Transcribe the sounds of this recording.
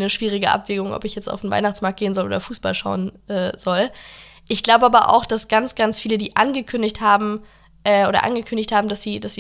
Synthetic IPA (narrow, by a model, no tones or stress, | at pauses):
nəʃv̥iːʁ̞ɪɡəʔa̰pv̥eːɡʊŋʔɔ̰pɪçjɛt͡sta̰ʊfn̩va̰ɪnaχt͡smaɐkt̚ɡ̥eːənzɔlo̰ːdɐfuːsb̥alʃa̰ʊənʔɛːz̥ɔl | ʔɪçɡ̥laʊbəaːbɐʔa̰ʊxd̥asɡ̥ant͡sɡ̥ansfiːlədiːʔanɡəkʰʏndɪçthaːbm̩ | ʔɛːʔoːdɐ̰ʔa̰nɡəkʰʏndɪçthaːbm̩dasz̥iːdasz̥iː